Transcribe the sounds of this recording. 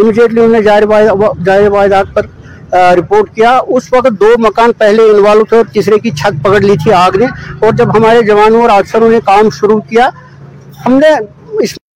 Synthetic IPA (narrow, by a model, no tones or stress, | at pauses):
ɪmiɖeːʈliʊnnẽd͡ʒaːɪɾʋaːd͡ʒaːɪɾeʋaːɪd̪aːɡ̚pəɾ | ɾɪpoːɾʈkijaʊsʋɐkt̪̚d̪oːmɐkaːnpɛɦleɪnʋaːlõt̪ʰet̪ɪsɾekit͡ʃʰət̪̚pɐkəɽlit̪ʰiaːɡneɔːɾd͡ʒɐbɦɐmaːɾed͡ʒɐʋaːnõɔːɾaːɡ̪səɾõnekaːmʃʊɾukija | hɐmne | ɪs